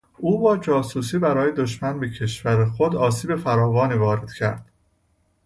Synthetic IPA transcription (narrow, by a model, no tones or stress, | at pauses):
uːbɒːd͡ʒɒːsuːsiːbæɾɒːjed̪oʃmænbecʰe̞ʃvæɾexod̪ɒːsiːbe̞fæɾɒːvɒːniːvɒːɾe̞d̪̥cʰæ̰ɾd̪̥